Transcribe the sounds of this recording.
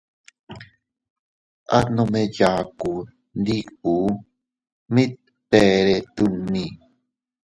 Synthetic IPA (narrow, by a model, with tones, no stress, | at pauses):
a̰˦nõ˧meja˨ku˨ | nd̪i˦ku˨ | mĩ˦t̪̚ | pe˨ɾe˨t̪u˧nːĩ˨